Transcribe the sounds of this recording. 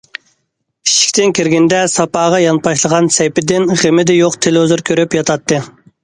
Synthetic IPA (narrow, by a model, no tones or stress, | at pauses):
i̥ʃi̥kʲt̪ɪnkʲiɾɡʲɪnd̪ɛsɑpɑːʁɑjɑnpʰɑʃlˠəʁɑnsɛjpɪd̪ɪnʁemɪd̪ɛjoqt̪ʰelozɨɾkʲʰøɾypjɑt̪ʰɑt̪ːɨ